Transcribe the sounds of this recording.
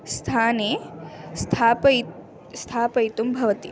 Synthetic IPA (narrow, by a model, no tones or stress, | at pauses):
st̪ʰaːneːst̪ʰaːpɐ | st̪ʰaːpɐjt̪umbʱɐʋɐt̪i